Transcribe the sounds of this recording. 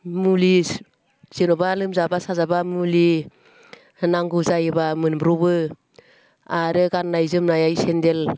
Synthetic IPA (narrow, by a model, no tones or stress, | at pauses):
muli | z̥enɔbalɯmzabasazabamuli | naŋɡuzajbamɯnbɾubɯ | aɾɯɡanːajzɯmnajajsendel